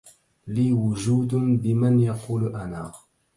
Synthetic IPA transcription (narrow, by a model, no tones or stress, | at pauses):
liːwʊd͡ʒuːd̪bɪmanjɑquːlʔanaː